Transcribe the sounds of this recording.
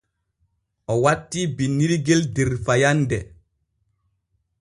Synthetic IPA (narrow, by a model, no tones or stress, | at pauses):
ɔwatːibinːiɾiɡeldeɾfajandɛ